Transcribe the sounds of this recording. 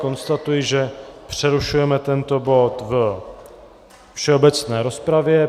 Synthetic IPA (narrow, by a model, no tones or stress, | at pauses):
ko̞nst̪at̪ujiʒɛpr̥ɛɾuʃujɛmɛt̪ɛnt̪o̞bo̞t̪və | fʃɛobɛt͡snɛːɾo̞spɾavjɛ